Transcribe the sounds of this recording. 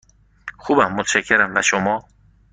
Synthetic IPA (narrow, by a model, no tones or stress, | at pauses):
xubæmːot̪ʰʃakʰːeɾæmbæʃomɔ